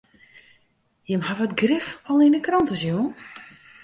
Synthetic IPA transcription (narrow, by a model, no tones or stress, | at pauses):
jəmhaʋɔtɡrɪfɔlˠindəkrɔntəsjuən